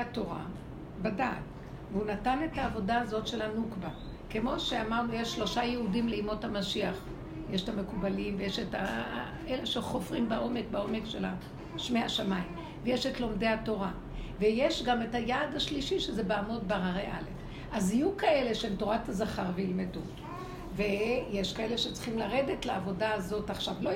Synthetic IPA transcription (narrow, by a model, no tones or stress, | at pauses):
ato̞ʁa̰ | badaːt | veunatane̞taːvo̞daːzo̞tʃe̞lhanukba | ke̞mo̞ʃeamaʁnujeʃːlo̞ʃajeɦudimleimo̞thamaʃiaχ | jeʃetame̞kubalimvejeʃeta | eleʃeχo̞fʁimbaʔo̞me̞kbao̞me̞kʃela | ʃmeaʃamaim | vejeʃetlo̞mdeato̞ʁa | vejeʃɡametajaːdaʃliʃiʃezebeamo̞dbaʁaʁeʔalef | ʔazijukae̞le̞ʃeemto̞ʁatazaχaʁveilmedu | vejeʃkae̞le̞ʃet͡sχimlaʁe̞detleavo̞daːzo̞taχʃavlo